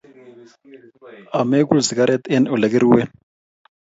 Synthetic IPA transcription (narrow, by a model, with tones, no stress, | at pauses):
a˨mekulzi˨kaɾʔɛt̪ɛnɔ˨le˨ke˦ɾuwɛ˦